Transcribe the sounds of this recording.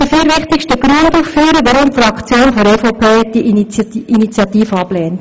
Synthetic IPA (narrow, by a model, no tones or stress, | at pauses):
d̥əfyːɾʋɪχt̪ɪkʃtəɡɾynd̪uːffyːɾəʋɑɾʊmt̪fɾɑkt͡sjoːnfɔɾɛːfɔpʰeːɛt̚d̥iʔinit͡sjɑt̪iːfəɑplɛːn